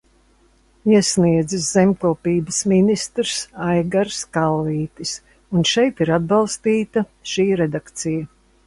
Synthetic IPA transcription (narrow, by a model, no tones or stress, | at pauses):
iɛsniɛd̪zɨszemʲklˠupiːbəsminist̪ɾsajɡaɾskalˠviːt̪is | unʃɛjt̪iɾad̪̚bɑlˠst̪iːt̪ɐʃiːɾed̪akt̪sija